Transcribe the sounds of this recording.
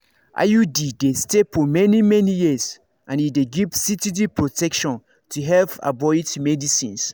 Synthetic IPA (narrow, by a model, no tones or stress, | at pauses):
ʔa̰judidestefɔmɛnimɛnijis | ʔãnideɡiv̥sitidipʰɹotʰɛkʃɔ̃n | tʰuɦɛlfa̰bɔitmɛdisḭ̃ns